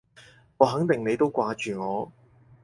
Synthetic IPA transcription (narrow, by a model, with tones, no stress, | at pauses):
ŋɔː˨˧ɦɐ˨˥ŋt̪ɪ˨ŋne˨˧jt̪o˥wkʷaː˧t͡ʃyː˨ŋɔː˨˧